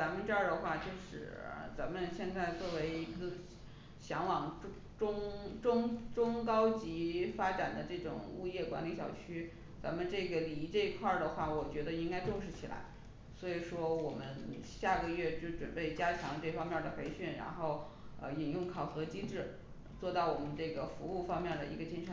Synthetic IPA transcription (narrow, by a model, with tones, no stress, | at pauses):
t͡sa˧˥mə˧nʈ͡ʂa˥˩d̪ə˩xwa˥˩t͡ɕjo˥˧ʊʂɻ̩˥˩ə̰˧˩t͡sa˧˥nmə˧nɕjɛ˥˧nt͡sa˥˧ɪt͡swɔ˥˩we˧˥ɪi˧˥ɡə˧ | ɕjɑ˧˥ŋwɑ˨˩ŋʈ͡ʂʊ˥ | ʈ͡ʂʊ˥ŋʈ͡ʂʊ˥ŋʈ͡ʂʊ˥ŋkɑ˥ʊt͡ɕi˧˥fa˥ʈ͡ʂa˨˩nd̪ə˦ʈ͡ʂɤ˥˩ʈ͡ʂʊ̰˨˩ŋu˥˧jɛ˥˩kwa̰˧˥nli˧˥ɕjɑ̰˨˩ʊt͡ɕʰy˥ | t͡sa̰˧˥nmə˧nʈ͡ʂɤ˥˩ɡə˩li˧˥ʈ͡ʂɤ˥˧i˧˥kʰwa˥˩d̪ə˩xwa˥˩wɔ˨˩t͡ɕɥɛ˧˥d̪ə˧i˥ŋka˥ɪʈ͡ʂʊ˥˧ŋʂ̬ɻ̩˥˩t͡ɕʰi˨˩la̰˧˥ɪ | swɔ˧˥i˨˩ʂwɔ˥wɔ˨˩mə˦nɕja˥˩ɡə˧ɥɛ˥˩t͡ɕjo˥˩ʊʈ͡ʂwə̰˨˩npe˥˩ɪt͡ɕja˥t͡ɕʰjɑ˧˥ŋʈ͡ʂɤ˥˩fɑ˥ŋmjɛ˥˩d̪ə˩pe˧˥ɪɕy˥˩nɻa̰˧˥nxo˥˩ʊ | ə̰˧i˨˩njʊ˥˩ŋkʰɑ˨˩ʊxɤ˧˥t͡ɕi˥ʈ͡ʂɻ̩˥˩ | t͡swɔ˥˧t̪ɑ˥˩ʊwɔ˨˩mə˦nʈ͡ʂɤ˥˩ɡə˩fu˧˥u˥˩fɑ˥ŋmjɛ˥˩nd̪ə̰˩ḭ˧˥ɡə˧t͡ɕi˥nʂə˧˥n